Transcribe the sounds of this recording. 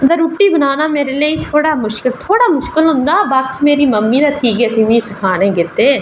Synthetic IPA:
d̪əɾuːʈːiːbənaːnaːmeːɾeleːiːt̪ʰoːɽaːmʊʃkɪlt̪ʰoːɽaːmʊʃkɪlɦʊ̃nd̪aːbaːkiːmeːɾiːməmːiːd̪aːt̪ʰiːkɛːt̪imĩːsɪkʰaːnẽːɡɪt̪eː

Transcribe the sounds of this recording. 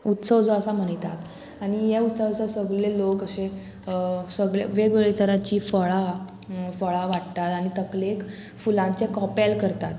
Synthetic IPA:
ut̪səʋd͡zoəsam̤əɳjt̪at̪ | añijeut̪səʋsəsəɡɭelokəse | səɡɭḛʋeɡʋeɭet͡səɾat͡ɕiːfəɭa | fəɭaʋaʈt̪at̪aɽ̃it̪əklek | fulãɲt͡ɕekɔpɛlkəɾt̪at̪

